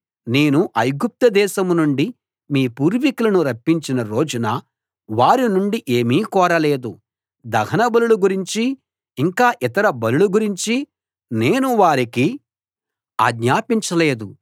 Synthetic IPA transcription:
neːnuʔɐjɡup̚t̪ɐd̪ɛːʃɐmnuɳɖi | miːpuːɾʋikulɐnuɾɐpːiɲt͡ʃinɐɾo̞ːd͡ʒunɐ | ʋaːɾinuɳɖiʔeːmiːkɔːɾɐle̞ːd̪u | d̪ɐɦɐnɐbɐluluɡuɾiɲt͡ʃiː | ŋkaːʔit̪ɐɾɐbɐluluɡuɾiɲt͡ʃi | ne̞ːnuʋaːɾiki | a̰ːɡɲaːpiɲt͡ʃɐle̞ːd̪u

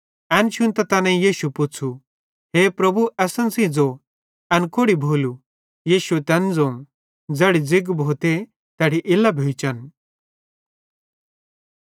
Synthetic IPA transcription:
ɐnt͡ʃʰunt̪ɐt̪ɐnɛ̃jiːʃupʊt͡sʰu | ɦeːpɾɐbʱuɐsənsĩd͡zo | ɐnkoɽibʱoːlu | jiːʃut̪ɐnd͡zõː | d͡zɐɽid͡zɪɡbʱoːt̪e | t̪ɐɽiʔɪlːɐbʱeːt͡ʃɐn

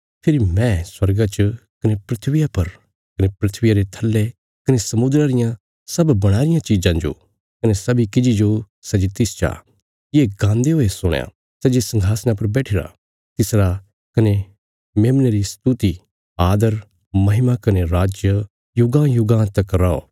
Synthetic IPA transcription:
pʰɪɾimɛ̃swɐɾɡat͡ʃɐkɐnepɾɪt̪ʰʋɪjapɐɾ | kɐnepɾɪt̪ʰʋɪjaɾet̪ʰɐlːe | kɐnesɐmʊd̪ɾaɾɪjã | sɐbbɐɽ̃aːɾɪjãt͡ʃiːd͡ʒãd͡ʒo̰ː | kɐnesɐbikɪd͡ʒid͡ʒo | sɛd͡ʒit̪ɪst͡ʃa̰ː | jeːɡãːnd̪eɦoːesʊɽ̃ja̰ | sɛd͡ʒesɐ̃ŋɡʱaːsnãp̬ɐɾbɛːʈʰɪɾa̰ | t̪ɪsɾa | kɐne | meːmneɾist̪ut̪i | aːd̪əɾ | mɐɦɪmakɐneɾaːd͡ʒjə | jʊɡãjʊɡãt̪ɐkɾao̰ː

